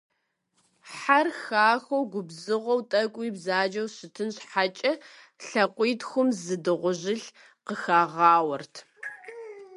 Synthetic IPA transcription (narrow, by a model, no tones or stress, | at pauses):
ħarxaːxɐwɡʷʊbzɨʁʷɔwtʼɐkʷʼiːbzaːd͡ʒɐwɕɪtʰɨnɕħat͡ʃʼɐ | ɬɐqʷiːtxʷʊmzɨdɨʁʷʊʑɪɬ | qəxaːʁɑːwɐrtʰ